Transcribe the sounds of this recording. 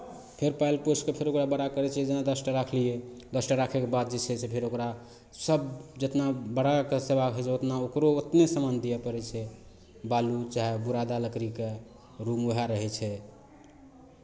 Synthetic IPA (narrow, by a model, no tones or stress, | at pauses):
pʰeɾpajlposʈkepʰeɾokɾabəɽakəɾɛt͡ʃʰɛd͡ʒenad̪əsʈəɾakʰlijed̪əsʈəɾakʰɛkebad̪̚d͡ʒɛt͡ʃʰɛsepʰeɾokɾa | səbd͡ʒet̪nabəɽakesebakɦɛt͡ʃʰɛot̪naokɾoot̪nesəmand̪ijɛpəɾɛt͡ʃʰɛ | balut͡ʃaɦebuɾad̪aləkɾike | ɾumoɦaɾəɦɛt͡ʃʰɛ